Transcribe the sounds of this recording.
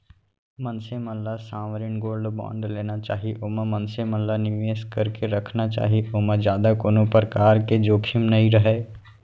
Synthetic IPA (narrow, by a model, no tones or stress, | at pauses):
mə̃nseməlːasãːʋɾɪnɡoːlɖbã̰ːɳɖleːnat͡ʃa̰ːɦiʔoːməmənseməlːanɪʋeːskɐɾkeɾɐkʰnat͡ʃa̰ːɦiʔoməd͡ʒjaːd̪akoːnopɾəkaːɾked͡ʒoːkʰɪmnɐɦĩɾəɦeː